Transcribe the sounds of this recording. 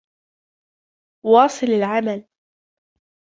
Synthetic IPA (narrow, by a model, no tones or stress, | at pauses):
wɑːsˤɨlalʕamal